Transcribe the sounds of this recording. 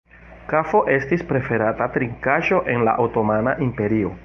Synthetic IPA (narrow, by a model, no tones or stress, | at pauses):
kafo̞ʔe̞stispɾe̞fe̞ɾatatɾiŋkaʒo̞ʔe̞nla̰ʔawto̞manaʔimpe̞ɾio̞